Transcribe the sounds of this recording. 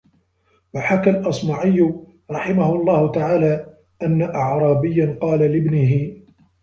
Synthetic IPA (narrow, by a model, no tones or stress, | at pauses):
waħakalʔɑsˤmɑʕɪjːʊ | ɾˤɑħɪmahʊʔɑlˤːɑːhʊt̪aʕaːlaː | ʔanːaʔɑʕɾˤɑːbɪjːanqɑːlalɪbnɪɦɪ